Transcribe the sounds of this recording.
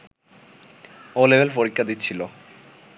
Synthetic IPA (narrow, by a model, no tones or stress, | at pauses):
olebʱelpoɾikʰːad̪it̪ːt͡ɕʰilo